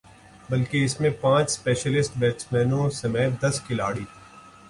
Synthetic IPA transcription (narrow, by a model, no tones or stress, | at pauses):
bɐlkeɪsmẽpãːt͡ʃspeːʃəlɪsʈʋɛːt͡ʃmɛːnõsɐmɛːd̪ɐskɪlaːɽiː